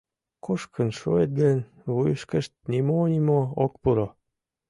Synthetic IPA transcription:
koʃkʰənʃo̰et̪̚ɡən | βujəʃkəʃt̪̚nimonʲimook̚puɾo

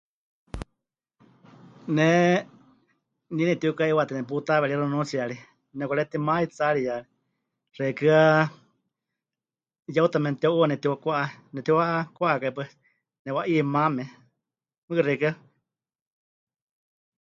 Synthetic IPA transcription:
nɛ | ninɛt̪iukaiwat̪inɛp̬ut̪aβɛɺiɾonũt͡siaɺi | nɛkʷɛt̪imãit͡saɺijaɺi | r̥ɛkɨa | jaut̪amɛnt̪iaʔuanɛt̪iwakʷaʔanɛt̪iwakʷaʔakaipa | nɛwaʔimamɛ̃ | mɨkɨrɛkɨa

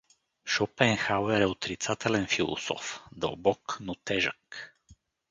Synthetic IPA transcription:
ʃɔpɛŋxawɛɾɛɔt̪ɾit̪sat̪ɛlɛnfilˠɔ̰sɔ̰fd̪obɔknut̪ɛʒa̰k

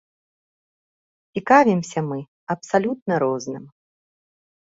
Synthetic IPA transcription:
t͡sʲikavʲimsʲɐmɨ | ɐpsalʲut̪̚nɐɾɔznɨm

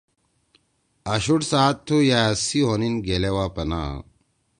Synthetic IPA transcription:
ɐɕuʈsaːt̪ʰːujaɐsiɦoninɡelewaːpɐna̰

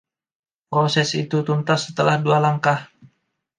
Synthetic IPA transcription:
pɾosɛsit̪ut̪unt̪asət̪əlahdualaŋkah

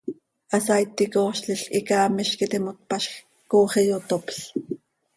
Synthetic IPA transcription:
ʔɑsajt̪ːikoːʃɬɪɬikɑːmɪʃkit̪imot̪̚pɑʃx | koːχijot̪opɬ

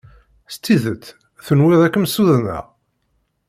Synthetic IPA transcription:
st̪ːiðət͡s̪ː | θənwɪðˤækːmsuðnæ̰

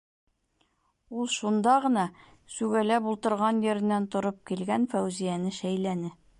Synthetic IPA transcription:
ulˠʃund̪ɑʁɤ̆nɑ | sʉɡælæbulˠt̪ɤ̆ɾʁɑnjɘ̆ɾɘ̆nːænt̪ŏɾop̚kilɡænfæwzijænɘʃæjlænɘ

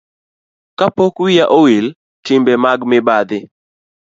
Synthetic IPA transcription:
kapokwɪjaʔowil | tɪmbɛmaɡmɪbad̪ɪ

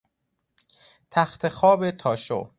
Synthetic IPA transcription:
t̪ʰæxt̪ʰe̞xɒːbet̪ʰɒːʃo̰

